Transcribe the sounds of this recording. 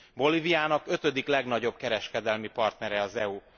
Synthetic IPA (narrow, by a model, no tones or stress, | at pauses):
bo̞livijaːnɒkø̞t̪ø̞d̪iklɛɡnɒɟo̞b̚kɛɾɛʃkɛd̪ɛlmipɒrt̪nɛɾɛɒzɛu